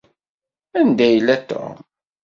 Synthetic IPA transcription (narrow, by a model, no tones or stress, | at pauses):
ænd̪æjəlːæt̪ːo̰